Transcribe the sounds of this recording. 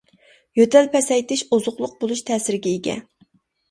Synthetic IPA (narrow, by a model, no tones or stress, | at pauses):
jøt̪ɛlpʰɛsɛjt̪ɪʃozʊχlˠʊq̚bolˠuʃt̪ʰɛːsɪɾɪɡʲɛeɡʲɛ̰